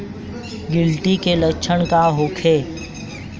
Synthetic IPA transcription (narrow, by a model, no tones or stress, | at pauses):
ɡɪlʈikelɐkʃʰəñkaɦʊkʰeː